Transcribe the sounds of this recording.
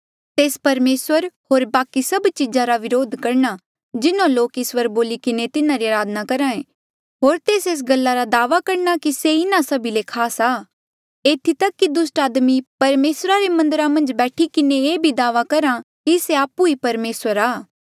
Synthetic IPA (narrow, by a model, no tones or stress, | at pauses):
t̪eːspɐɾmeːswəɾɦoːɾbaːkisɐbt͡ʃɪzãɾaʋɪɾoːd̪ʱkɐɾna | d͡ʒɪnõloːkɪswəɾboːlikɪnet̪ɪnãɾiaːɾaːd̪nakɐɾãːẽː | ɦoːɾt̪eːseːs̬ɡɐlːaɾad̪aːʋakɐɾnakiseɪnãsɐbʱilekʰaːsaː | eːt̪ʰit̪ɐkːid̪ʊsʈaːd̪mipɐɾmeːsɾaɾemɐ̃nd̪əɾamɐ̃nd͡ʒbɛːʈʰikɪneeːbʱid̪aːʋakɐɾa | kiseaːpuipɐɾmeːswəɾaː